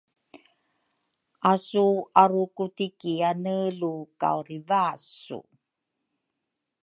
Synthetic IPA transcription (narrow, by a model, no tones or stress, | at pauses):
asuaɾukutikianəluka̰wɾivasṵ